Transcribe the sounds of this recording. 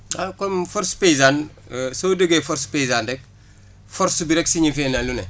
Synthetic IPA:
akomfɔɾspejzaːn | sodəɡefɔɾspejzaːndɛk̚ | fɔɾsbiɾɛksiɲifɛːnalunɛ̰

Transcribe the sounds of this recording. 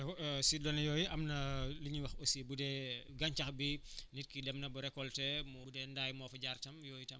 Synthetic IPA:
sidɔnɐjɔːjiʔɐmnɐliɲiwɐxosibudɛɡɐɲt͡ʃɐxbinit̚kidɛmnɐbuɾɛkːɔltɛmuudɛndaːjmɔfɐɟaːrtɐmjɔːjitɐm

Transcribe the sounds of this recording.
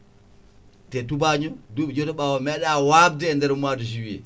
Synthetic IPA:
tɛtubaɲɔdud͡ʒɔtɔɓawamɛɗawab̚dɛːndɛɾmuadus̬iwḭ

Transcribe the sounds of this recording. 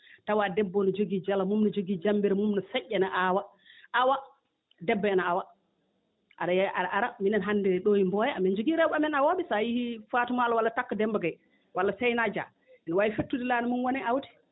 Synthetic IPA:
tawadɛbːɔnɔd͡ʒoɡid͡ʒalamumnɔd͡ʒoɡid͡ʒambiɾɛmumnɔsɛʔːɛnaʔawa | awa | dɛbːaɛnaawa | ʔaɗajʔaaʔaɾaminanɦandɛɾɛɗojimbɔjɛamɛnd͡ʒoɡiɾɛɓamɛnawoɓisajihifaːtumaalwalːatakːadɛmbaɡaj | walːasɛjnad͡ʒa̰ | ɛnwaifetːudilaːnɔmunwɔnɛʔawti̥

